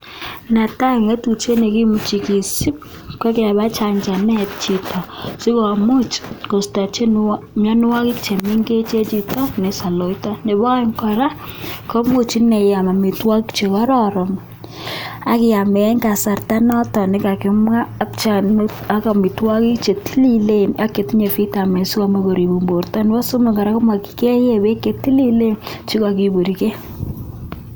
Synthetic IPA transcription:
na˨ta˦˨ŋa˦tu˨t͡ʃe˦ne˨ki˦mu˨t͡ʃi˨ki˨si˦p̚ | kɛ˦kɪ˦a˨βa˦t͡ʃa˨ɲt͡ʃa˨nɛ˦t̚t͡ʃi˨tɔ˨si˦kɔ˨a˨mu˦t͡ʃko˨sta˨t͡ʃe˦n | ma˦n˦wa˦kɪ˦k̚t͡ʃe˨mi˦ŋɡe˦t͡ʃe˦t͡ʃi˦tɔ˦ne˨sa˨lo˨i˦tɔ˦ne˨bɔ˦ɛŋkɔ˨ɾa˦ko˦mu˦t͡ʃi˦ne˨ja˨ma˨mi˨twɔ˦ki˦kt͡ʃe˨kɔ˦ɾɔɾɔ˨m | a˦kɪ˨a˨mɛ˨˦ka˨sa˨rta˦nɔ˦tɔ˨nɪ˦ka˨kɪ˨˦mwaː˦k̚t͡ʃa˦na˦ka˨mi˨twɔ˦ki˦kt͡ʃe˨ti˦li˦le˦na˦kːe˨ti˦ɲe˨fi˦ta˨me˨su˦kɔ˦me˦ko˨ɾi˨bu˨mbo˨rtɔ˦n˦wɔ˦so˦me˨ŋɡa˨ɾa˦ko˦ma˨ki̥˨ke˦je˦be˦ke˨ti˦li˦le˦nt͡ʃi˦ka˨ki˨bo˨ɾi˨ke˦

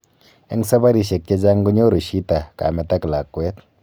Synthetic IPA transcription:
e˦ŋsa˦ba˦ɾi˨ʃe˨k̚t͡ʃe˦d͡ʒa˦ŋɡu˦ɲo˦ɾu˨ʃi˦ta˨ka̰˨mɛ˨ta˦kla˨kːwe˦t̚

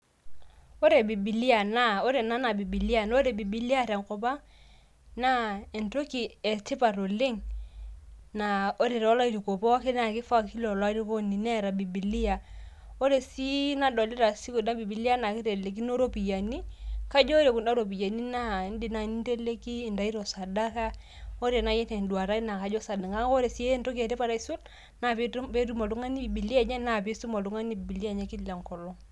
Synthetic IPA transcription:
o˦ɾe˨bi˨bi˨li˦a˨na˦o˦ɾe˨na˦na˨bi˨bi˨li˦a˨n˦o˦ɾe˨bi˨bi˨li˦a˦˨ɾa˨ŋ˨ko˨pa˦ | na˦e˨nto˦ki˨e˨tɪ˦pa˨ɾo˨le˦ŋ | na˨o˦ɾe˨ɾe˨wɔ˦la˦i˦ɾi˨ko˨pɔ˦a˦kɪ˦na˨kɪ˦fa˦˨ki˦lo˨la˦ɾi˦ko˦ni˨nɛ˦˨ɾa˨bi˨bi˨li˦a˨ | o˦ɾe˨si˦na˦dɔ˨li˦ɾa˨si˦ko˨na˦bi˨bi˨li˦a˦na˨ki˦ɾe˨le˨k̬i˦no˦ɾo˦pi˨ja˨ni˦ka˦d͡ʒɔ˦ɾe˨ku˨na˦ɾo˨pi˨ja˨ni˦na˦˨˦n˦di˦˨na˨ni˦n˦te˦le˦ki˦˨nda˨i˦ɾɔ˨sa˨da˦ka˦ | o˦ɾe˨na˨˦jɛ˦te˨ndwa˨ɾa˦i˦na˨ka˨d͡ʒɔ˦sa˨da˨ŋɡa˦o˦ɾe˨si˦e˦nto˦ke˨te˦pa˦˨ɾa˦i˦su˦l | na˦˨pe˦pe˦ɾu˦ma˨lu˦ŋa˦ni˦˨bi˨li˦ja˨ɲa˦na˨pe˦su˦ma˨lu˦ŋa˦ni˦bi˨bi˨li˦ja˦˨ɲa˦ki˦˨la˨ŋkɔ˨lɔ˦

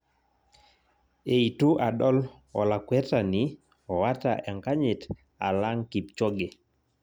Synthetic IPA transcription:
e˨i˨tu˦ʔa˨dɔ˦l | ɔ̰˨la˨kwɛ˦ta˨ni˦ | ɔ˨wa˦ta̰˨ʔɛ˨ŋka˦ɲɪ˨t | a̰˨la˦ŋki˨p̚t͡ʃɔ˦ɡe˨

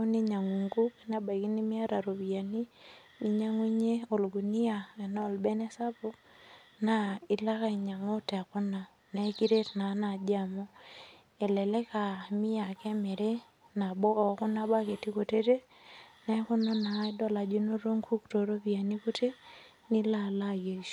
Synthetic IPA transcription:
o˦ni˦ɲa˨ŋu˨ŋɡu˦kna˦ba˨i˨ki˦ni˦mi˦a˦ɾa˨ɾo˨βi˨ja˨ni˦ | i˦ɲa˦ŋwi˦ɲe˦o˨lɡu˨ni˦a˨ɛ˨na˦o˨lbɛ˦nɛ˦sa˦po˦ | na˨i˨la˦ka˦i˨ɲa˨ŋo˦tɛ˨a˨ko˦na˨ | na˨˦ki˦ɾe˦tna˨˦na˨d͡ʒa˨mo˦ | e˨lɛ˨le˦ka˨mi˦ja˨kɛ˦me˨ɾe˦ | na˨bɔː˦˨ku˦na˦ba˦ke˨ti˦ko˨te˦te˦ | na˦ku˦na˦na˨˦dɔ˦la˨d͡ʒi˦no˦ɾo˦ŋkʰu˦kto˨ɾo˦pi˨a˨ni˦ko˦te˦ | ni˦la˦˨la˦ɡe˨ʃu˨

